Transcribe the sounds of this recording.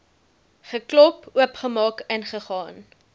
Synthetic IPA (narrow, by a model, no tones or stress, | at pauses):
χəklɔpuəpχəmɑːkɛnχəχɑːn